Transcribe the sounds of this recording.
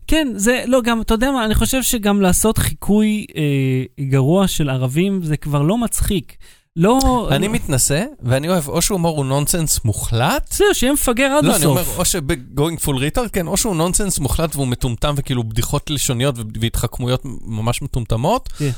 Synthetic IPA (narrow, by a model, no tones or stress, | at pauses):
kenze̞lo̞ɡamt̪ajod̪eamaːniχo̞ʃe̞vʃe̞ɡamlaːso̞t̪χikʰujeɡaʁuaʃe̞laʁavimze̞kvaʁlo̞mat͡sχik | lo̞animit̪naseveanio̞evo̞ʃeuamoʁunonsensmuχlat̪seuʃejemefaɡeʁadloansiomeʁfoʃebeɡoiŋɡfulʁeteʁkenʔo̞ʃeunonsensmuχlatveumetumtamvekiːlubdiχo̞tleʃo̞nijo̞tveveit̪χakmujo̞tmamaʃmetumtamo̞t